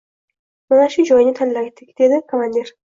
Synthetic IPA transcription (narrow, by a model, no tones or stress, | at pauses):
manaʃʊd͡ʒɒjnɪt̪ʰanlaɡt̪ʰːɪkʲd̪̥ed̪ɪkʰomanʲd̪eɾ